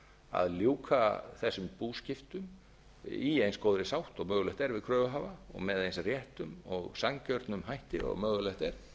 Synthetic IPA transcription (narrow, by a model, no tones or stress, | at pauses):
a̰ðljuwkʰaθɛsːʏmpuːscɪft̪ʏm | iejnskoːwðɾɪsawht̪ɔɣmœːɣʏlɛht̪ɛɾvɪðkʰɾœːvʏɦaːvaɔ̰ɣmɛðejnsrjɛht̪ʏmɔɣsaŋcœɾt̪nʏmɦajht̪ɪ̰ɔ̰ɣmœːɣʏlɛht̪ɛɾ̥